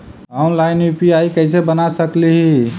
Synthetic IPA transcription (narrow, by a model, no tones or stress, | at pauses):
ɔnlajnjupiaikəɪsebənasəkliɦi